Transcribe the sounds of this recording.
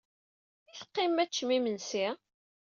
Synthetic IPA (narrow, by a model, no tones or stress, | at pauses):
iθqːimːæt͡ʃːmimənsi